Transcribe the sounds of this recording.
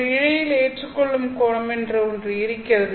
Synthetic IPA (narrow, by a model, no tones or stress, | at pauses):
ɪɻɐjɪleːʈrɯkːɔɭːɯmkoːɻɐmɛndrɯɔndrɯɪɾɪkːɪrɐðɯ